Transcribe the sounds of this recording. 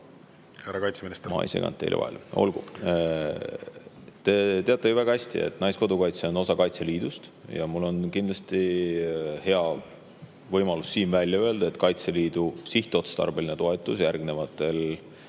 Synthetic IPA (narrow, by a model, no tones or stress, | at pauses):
heɾɑkɑjt̪seminist̪mɑ̰ḭsḛkɑ̰nt̪ːˑḛl̰vɑ̰ḛlo̞̰lɡ̥u | t̪e̞t̪e̞ɑt̪ːˑejuvæɡ̥ɑhæsʲt̪ḭe̞̰t̪ːˑnɑjsko̞d̪ukɑjt̪seo̞no̞sɑkɑjt̪seliːd̪ust̪jɑmulːo̞nkind̪lɑst̪i | he̞ɑ | vɤjmɑlusːiːnvælʲjɑøe̞ld̪ɑe̞t̪kɑjt̪seliːd̪̥usiht̪ˑeo̞t̪st̪ɑ̰rbe̞line̞t̪o̞e̞t̪ˑːusjærɡne̞vɑt̪ːˑe̞l